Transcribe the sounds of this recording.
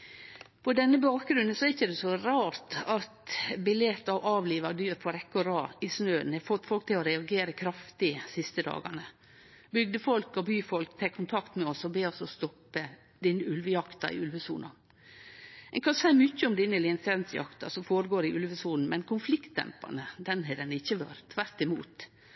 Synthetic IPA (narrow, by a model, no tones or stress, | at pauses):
pʰɔd̪ɛnːəbɑːk̚ɡɾʉnːənsɔɛɾɪçːəd̪ɛsɔɾɑːɾt̪ɑt̪bɪljɛt̪ːɑʋʔɑːʋliːʋɑd̪yːɾpʰɔɾɛkːɔɾɑːɪsnøːənɛfɔt̪ːfɔlk̚t̪ʰɪlɔɾɛɑɡeːɾəkʰɾɑft̪ɪsɪst̪əd̪ɑ̰ːɡɑ̰nə | bʏɡ̚d̪əfɔlkɔbyːfɔlkt̪ʰɛːkʰːʊnt̪ʰɑkt̪mɛɔsɔbeːɔsɔst̪ɔpːə | d̪ɪnːəʉlʋəjɑkt̪ɑɾɪ̰ʉlʋəsṵːnʔɑ̰ | ɛŋkʰɑnsæɪmʏçːəʊmd̪ɪnəlɪɛnsɛnsjɑ̰kt̪ɑsɔmfoːɾəɡoːɾɪʔʉlʋəsuːnn̩mɛnkʰʊnflɪkt̪̚d̪ɛ̰mpɑ̰nəd̪ɛnɦɛd̪ɛnɪçːəʋø̰ɾt̪ʰːʋæɾt̪ɪmuːt̪